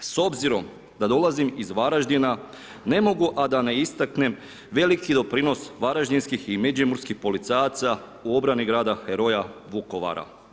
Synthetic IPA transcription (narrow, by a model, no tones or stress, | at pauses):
so̞bziɾo̞m | d̪ad̪o̞lˠazimizʋaɾaʒd̪ina | ne̞mo̞ɡuʔad̪ane̞ist̪akne̞m | ʋe̞likid̪o̞pɾino̞sʋaɾaʒd̪inskiximed͡ʒimuɾskixpo̞lit̪sajat̪sa | uo̞bɾaniɡɾaːd̪axeɾo̞jaʋuko̞ʋa̰ɾa̰